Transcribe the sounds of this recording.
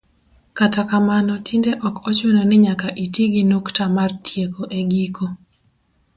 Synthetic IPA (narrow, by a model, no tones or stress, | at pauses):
katakamanɔtʰindeʔɔkɔt͡ʃonɔnɪɲakaʔitiɡinoktamartʰjekoʔeɡikʰo